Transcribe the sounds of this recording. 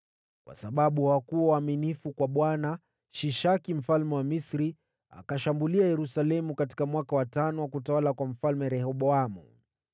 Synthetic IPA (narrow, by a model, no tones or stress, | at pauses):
kwa̰saɓaɓuhakuɔwaːminifukwaɓwana | ʃiʃakim̩falmɛwamisɾi | a̰kaʃambuliajɛɾusalɛmukat̬i̥kamwakawatanɔwakutawalakwam̩falmɛɾɛhɔɓɔamṵ